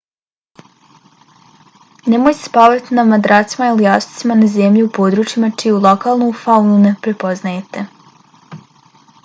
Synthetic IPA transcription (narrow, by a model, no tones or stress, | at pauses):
nemoːjse̥paːʋat̪inamad̪ɾaːt̪simailijaːsi̥t̪simanazemʎiupoːd̪ɾuːt͡ʃjimat͡ʃijeulˠokaːlˠnofaunune̞pɾe̞po̞znajet̪e̞